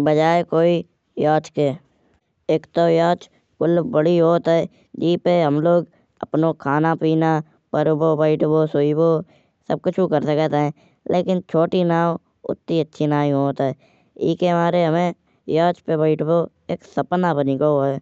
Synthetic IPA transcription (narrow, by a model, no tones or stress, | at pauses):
bəd͡ʒaːekoːi | jaːt͡ʃkeː | eːkt̪ojaːt͡ʃ | kʊlbəɽiɦoːt̪ɦɛː | d͡ʒiːpeɦəmloːɡ | ə̰pnokʰaːnapiːnaː | pəɾboːbəɪʈʰboːsoiboː | səb̚kʊt͡ʃʰukəɾsəkət̪eɦɛ̃ː | lʔeːkɪnt͡ʃʰoːʈinaː | ʊ̰t̪ːiətːʃʰinaːiɦoːt̪ɦɛː | ɪːkeɦmaːɾeɦəmẽ | jaːt͡ʃpebəɪʈʰbo | eːksəpnabənikooɛː